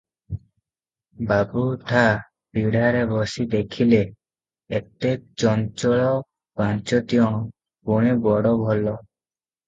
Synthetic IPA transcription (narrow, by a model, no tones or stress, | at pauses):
babuʈʰa | piɽaɾebɔsid̪ekʰileː | t̪ek̚t͡ʃɔnt͡ʃɔɭɔ | bãnt͡ʃɔt̪iɔŋ̃ | poɽ̃ebɔɽɔbʱɔlːɔ